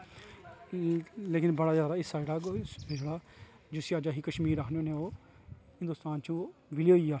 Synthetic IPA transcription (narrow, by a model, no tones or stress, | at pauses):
leːkɪnbəɽaːzjaːd̪aːɪsaːeɽaːd͡ʒeɽaː | d͡ʒɪsiːaːd͡ʒaːɦiːkəʃmiːɾakʰnoːneːoː | hɪnd̪ʊst̪aːnt͡ʃũːʋɪloːiːaː